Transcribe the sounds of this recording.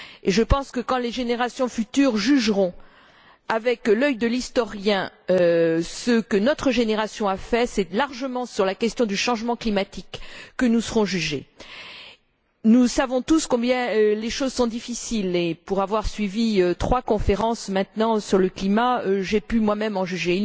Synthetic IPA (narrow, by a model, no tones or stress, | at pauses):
eʒəpɑ̃skəkɑ̃leʒeneʁasjɔ̃fyt̪yːʁʒyʒʁɔ̃ | avɛklœjd̪əlist̪ɔʁjɛ̃øsəkənɔt̪χəʒeneʁasjɔ̃afɛsɛlaʁʒəmɑ̃syʁlakʲɛst̪jɔ̃d̪yʃɑ̃ʒmɑ̃klimat̪ikːənusəʁɔ̃ʒyʒḛ | nusavɔ̃t̪uskɔ̃bjɛ̃øleʃozsɔ̃d̪ifisilepuʁavwaʁsɥiviøt̪χwakɔ̃feʁɑ̃smɛ̃t̪nɑ̃syʁləklimaøʒepymwamɛmɑ̃ʒyʒe